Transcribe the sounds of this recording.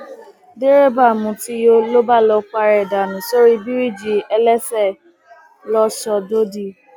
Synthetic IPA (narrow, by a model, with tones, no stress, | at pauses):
de˦ɾe˦ba˦˨mũ˧˨ti˦jo˦lo˦ba˦˨lɔ˧k͡pa˧ɾɛ˨da˨nũ˨so˦ɾi˦bi˦ɾi˦˨d͡ʒi˧ɛ˧lɛ˦sɛ˦˨ | lɔ˦sɔ˧do˦di˦˨